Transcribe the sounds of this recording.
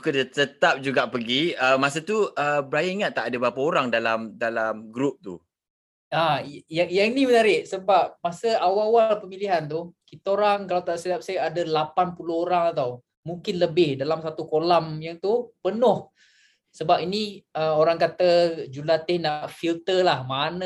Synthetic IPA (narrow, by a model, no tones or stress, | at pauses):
ukədət̪ət̪ap̚d͡ʒuɡaʔpəɡiəmas̬ət̪uəbɾajiŋat̪ːaʔadəbɾapaoɾaŋdalamdalamɡɾup̚t̪ṵ | ajaŋjaŋnimənaɾɪʔsəbap̚masəawawalpəmiliɦant̪ukit̪aoɾaŋkalawt̪aʔsədap̚sajadalapanpulʊhoɾaŋat̪aw | muŋkɪnləbɪhdalamsat̪ukolamjaŋt̪upənʊh | səbapiniəoɾaŋkat̪ad͡ʒulat̪ɪhnaʔfilt̪əlahmanə